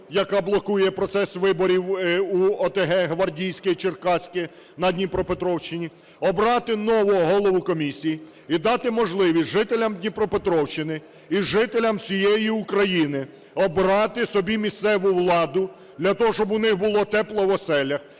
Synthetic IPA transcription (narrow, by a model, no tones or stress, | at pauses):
jɐkɑblˠɔkujɛpɾɔt̪sɛsʋɪbɔɾʲiwuɔt̪eɦɛɦʋɐrdʲijsʲkɔjit͡ʃɪrkɑsʲkʲɪ | nɐd̪ʲnʲipɾɔpet̪ɾɔwʃɪnʲi | ɔbɾɑt̪ɪnɔʋʊɔɦɔlˠɔʋʊkɔmʲisʲiji | id̪ɑt̪ɪmɔʒlˠɪʋʲisʲʒɪt̪elʲɐmd̪ʲnʲipɾɔpet̪ɾɔwʃt͡ʃːɪnɪ | iʒɪt̪elʲɐmsʲijejiukɾɐjinɪ | ɔbɾɑt̪ɪsɔbʲimʲist̪sɛʋʊwlˠɑd̪ʊ | d̪lʲɐt̪ɔɦɔʃt͡ʃɔbʊnɪxbʊlˠɔt̪ɛplˠɔʋɔsɛlʲɐx